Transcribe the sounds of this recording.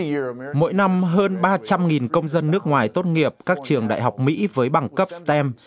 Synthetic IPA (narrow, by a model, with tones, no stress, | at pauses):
mo̰˧˥jna˧mɦəː˧nɓaː˧t͡ɕa˧mŋi˨˩nkə˧wŋ͡mzə˧nːɨ˦˥ək̚ŋwaː˨˩jt̪o˦˥t̚ŋi˨˩əp̚kaː˦˥k̚t͡ɕɨ˨˩əŋɗa̰ː˧˨jɦa˨˩wk͡p̚mḭ˧˥vəː˨˦jɓa˨˩ŋkə˦˥p̚st̪ɛ˧m